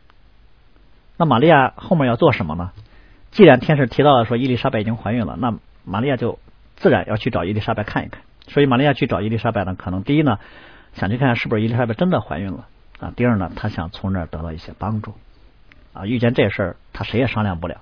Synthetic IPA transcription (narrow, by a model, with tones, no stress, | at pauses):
na˥˩ma˨˩li˥˧ja˥˧xo˥ʊmjɛ˥˧jɑ˥˧ʊt͡swɔ˥˩ʂə˧˥nmə̰˧nə˧ | t͡ɕi˥˩ɻa˧˥nt̪ʰjɛ˥nʂɻ̩˧˥˩t̪ʰi˧˥ɑ˥˩ʊlə˩ʂwɔ˥i˥˧li˥˩ʂa˥pa˥˩ɪi˨˩t͡ɕi˥ŋxwa˧˥ny˥˩nlə̰˦na˥˩ | ma˨˩li˥˧ja˥˧t͡ɕjo˥˧ʊ | t͡sɹ̩˥˩ɻa̰˧˥njʔɑ˥˧ʊt͡ɕʰy˥˩ʈ͡ʂɑ˨˩ʊi˥˧li˥˩ʂa˥pa˥˧˩ɪkʰa˥˩nḭ˧˥kʰa˥˩n | swɔ˧˥i˧˥ma˨˩li˥ja˥˧t͡ɕʰy˥˩ʈ͡ʂɑ˨˩ʊi˥li˥˩ʂa˥pɪd̪ə˧˩kʰɤ˨˩nɤ˧˥ŋt̪i˥˧i˥nə˨ | ɕjŋt͡ɕʰy˥˧kʰa˥ʂɻ̩˥˩bu˩ʂɻ̩˥˧˥li˥˩ʂa˥a˥˧˩ɪʈ͡ʂə˥nd̪ə˨xwa̰˧˥ny˥˩nlə̰˩ | ɐ̰˧t̪i˥˧ə˞˥˩nə˩t̪ʰa˥ɕjɑ̰˨˩ŋt͡sʰʊ˧˥ŋɻ̩˥˩˧t̪ɤ˧˥t̪ɑ˥˧ʊi˥˩ɕjɛ˥pɑ˥ŋʈ͡ʂu˥˩ | ə̰˧y˥˧t͡ɕjɛ˥˧nʈ͡ʂɤ˥˩ə˩ʂə˞˥˩t̪ʰa˥ʂe˧˥jɛ˨˩ʂɑ˥ŋljɑ˥˧ŋpu˥˩ljɑ˨˩˦